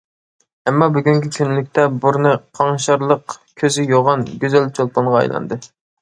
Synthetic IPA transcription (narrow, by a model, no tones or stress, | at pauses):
ɛmːɑbyɡʲyŋkʲikʲʰynlykʲt̪ʰɛbuɾnɨqʰɑŋʃɑɾlˠəqkʲʰøzɪjoʁɑnɡʲøzɛlt͡ʃʰolˠpɑɴʁɑɑ̰jlˠɑ̰nd̪ɨ